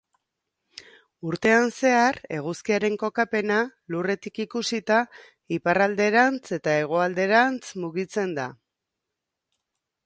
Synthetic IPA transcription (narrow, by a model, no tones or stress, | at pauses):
uɾt̪e̞anse̞are̞̰ɣ̞uskiaɾe̞ŋko̞kape̞nalure̞t̪ikikusit̪a | iparald̪e̞ɾant͡se̞t̪ae̞ɣ̞o̞ald̪e̞ɾant͡smuɣit͡se̞nd̪a̰